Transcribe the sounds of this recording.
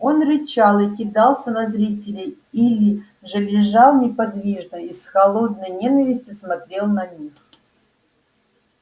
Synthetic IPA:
o̞nɾʲɪt͡ɕalˠɨkʲɪd̪ɑlˠsʲənɐzɾʲitʲɪlʲɪ | ilʲɪ | ʐɨlʲɪʐalˠnʲɪpɐd̪vʲiʐnəisxɐlˠo̞d̪̚nəjnʲenəvʲɪsʲtʲjʊsmɐt̪ɾʲe̞lˠnɐnʲix

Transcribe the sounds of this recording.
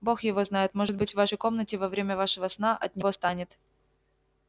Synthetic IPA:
bo̞xjɪvo̞znajɪt̪mo̞ʐɨd̪̚bɨtʲvvaʂəjko̞mnətʲɪvɐvɾʲemʲəvaʂɨvəsnaʔɐ̰t̪̚nʲɪvost̪anʲɪt̪

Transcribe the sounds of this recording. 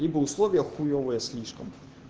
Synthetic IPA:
ibɐuslˠɔʋʲjɐxujɔʋɔjɛsʲlʲiʃkɔm

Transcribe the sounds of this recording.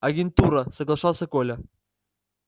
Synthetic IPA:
ɐɡʲɪnt̪uɾɐsɐɡlˠɐʂɑlˠsʲɐkolʲɐ

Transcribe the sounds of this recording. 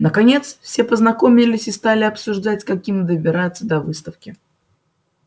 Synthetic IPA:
nəkɐnʲe̞t̪sfsʲe̞pəznɐko̞mʲɪlʲɪsʲɪst̪alʲɪɐpsʊʐd̪atʲkɐkʲimʲd̪əbʲɪɾat̪səd̪ɐvɨst̪əfkʲɪ

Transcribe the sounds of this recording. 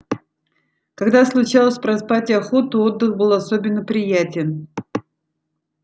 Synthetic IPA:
kɐɡd̪aslˠʊt͡ɕalˠəsʲpɾɐspatʲɪɐxot̪ʊod̪ːɨxbɨlˠɐsobʲɪnːəpɾʲɪjætʲɪn

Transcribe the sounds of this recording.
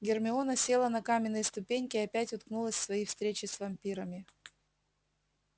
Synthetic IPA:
ɡʲɪrmʲɪo̞nəsʲe̞lˠənɐkamʲɪnːɨjəst̪ʊpʲenʲkʲɪɐpʲætʲʊt̪knulˠəsʲsvɐjifst̪ɾʲet͡ɕɪsvɐmʲpʲiɾəmʲɪ

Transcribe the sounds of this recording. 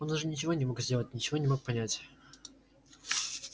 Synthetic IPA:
ond̪ʐɨnʲɪt͡ɕɪvo̞nʲɪmo̞kzʲdʲe̞lˠətʲnʲɪt͡ɕɪvonʲɪmo̞k̚pɐnʲætʲ

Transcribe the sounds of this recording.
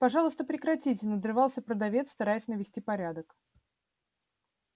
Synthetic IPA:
pɐʐɑlˠəst̪əpɾʲɪkɾɐtʲit̬ʲɪnəd̪rɨvɑlˠsʲəpɾəd̪ɐvʲet̪st̪ɐɾajɪsʲnəvʲɪsʲtʲipɐɾʲad̪ək

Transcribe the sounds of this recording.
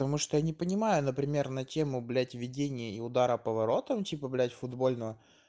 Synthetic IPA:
t̪ɐmuʂt̪ojanʲɪpənʲɪmajʊnəpɾʲɪmʲe̞rnɐtʲe̞mʊblʲætʲvʲɪdʲenʲɪjəɪʊd̪aɾəpəvɐɾo̞t̪əmtʲipəblʲætʲfʊd̪bo̞lʲnəvə

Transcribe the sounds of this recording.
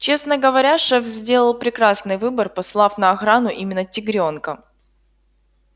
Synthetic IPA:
t͡ɕe̞snəɡəvɐɾʲaʂɛfzʲdʲe̞lˠəlˠpɾʲɪkɾasnɨjvɨbərpɐslˠafnəːxɾanʊʔimʲɪnːətʲɪɡɾʲo̞nkə

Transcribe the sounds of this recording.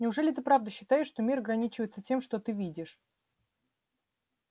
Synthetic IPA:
nʲɪʊʐɛlʲɪt̪ɨpɾavd̪əɕːɪt̪ajɪʂʂt̪o̞mʲiɾɐɡɾɐnʲit͡ɕɪvəjɪt̪sətʲe̞mʂt̪ot̪ɨvʲidʲɪʂ

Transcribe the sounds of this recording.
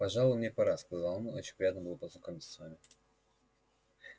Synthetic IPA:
pɐʐɑlˠjmnʲepɐɾaskɐzalˠmot͡ɕɪnʲpɾʲjad̪nəbɨlˠəpəznɐkomʲɪt̪səsvamʲɪ

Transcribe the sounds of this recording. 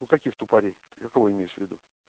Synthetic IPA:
ʊkɐkʲixt̪ʊpɐɾʲejkəkɐvoɪmʲejɪʂvʲɪd̪ṵ

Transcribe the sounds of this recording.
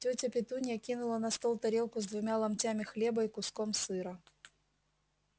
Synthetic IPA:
tʲɵtʲəpʲɪt̪unʲjəkʲinʊlˠənɐst̪olˠt̪ɐɾʲelˠkʊzd̪vʊmʲalˠɐmtʲamʲɪxlʲebəikʊskomsɨɾə

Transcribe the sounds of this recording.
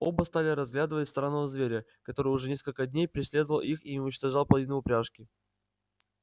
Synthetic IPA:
o̞bəst̪alʲɪɾɐzɡlʲad̪əɨvətʲst̪ɾanːəvəzvʲeɾʲə | kɐt̪o̞ɾɨjʊʐɛnʲe̞skəlʲkəd̪ʲnʲejpɾʲɪsʲlʲe̞d̪əvəlˠʔixiʊnʲɪt͡ɕt̪ɐʐɑlˠpəlˠɐvʲinəʊpɾʲaʂkʲɪ

